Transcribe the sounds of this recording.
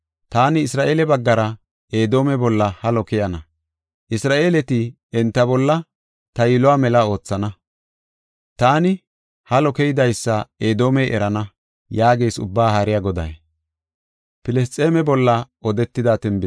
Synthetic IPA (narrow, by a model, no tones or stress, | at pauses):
t̪aːnɪːsɾaːʔeːlɛbɐɡːɐɾɐ | eːd̪o̞ːmɛbɔlːɐhɐlɔkɛjɐnɐ | ʔɪsɾaːʔe̞ːlɛt̪ɪ | ɛnt̪ːɐbɔlːɐ | t̪ɐjɪlʊwaːmɛlɐo̞ːt͡sːɐnɐ | t̪aːnɪ | hɐlɔkɛjd̪ɐjsːɐeːd̪o̞ːmɛjʔɛ̰ɾɐnɐ | jaːɡejsʊ̰bːaːhɐɾɪjɐɡɔd̪ɐ̰j | pɪlɛs̬t͡sʼeːmɛbɔlːɐ | ɔd̪ɛt̪ːɪd̪aːt̪ɛnbɪ